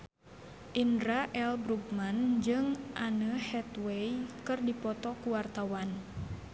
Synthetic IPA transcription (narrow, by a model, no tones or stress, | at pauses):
ʔindɾaʔɛlbɾuɡmand͡ʒɨŋʔanəhɛt̪wɛjkɨrdipɔt̪ɔkuwart̪awan